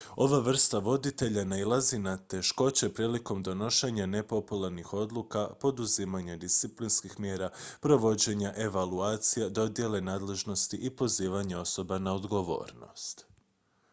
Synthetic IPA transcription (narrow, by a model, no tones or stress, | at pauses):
o̞ʋaʋr̩st̪aʋo̞d̪it̪e̞ʎanailˠazinat̪e̞ʃko̞t͡ɕe̞pɾiːliko̞md̪o̞no̞ʃeɲane̞po̞pulaɾnixo̞d̪lˠuːkapo̞d̪uzimaɲad̪ist̪siplinskixmje̞ːɾapɾo̞ʋo̞d͡ʑe̞ɲaʔe̞ʋaluaːt̪sijed̪o̞d̪je̞le̞naːd̪le̞ʒno̞st̪iʔipo̞ziːʋaɲeo̞so̞banaod̪ɡo̞ʋo̞̰ːɾno̞̰st̪